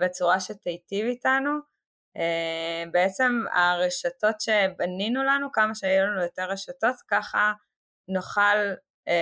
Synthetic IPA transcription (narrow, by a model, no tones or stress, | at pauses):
be̞t͡suʁaʃetejtivitanu | ebeet͡se̞ma̰ʁeʃato̞tʃe̞baninulanukamaʃeajulanujo̞te̞ʁːeʃato̞tkaχa | noχal